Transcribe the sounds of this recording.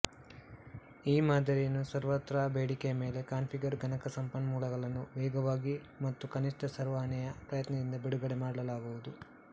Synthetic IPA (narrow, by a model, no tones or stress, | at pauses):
iːmaːd̪ʱɐɾijɐnusɐɾʋɐt̪ɾaːbeːɽikejɐme̞ːle̞kaːnpʰiɡɐɾɡʱɐnɐkɐsɐmpɐnːɐmuːlɐɡɐɭɐnːuʋɛːɡɐʋaːɡi | mɐt̪ːukɐniʂʈɐsɐɾʋaːnɛjɐpɾɐjɐt̪nɐd̪ind̪ɐbeɽuɡɐɽemaːɽɐɭɐlaːɡuʋud̪u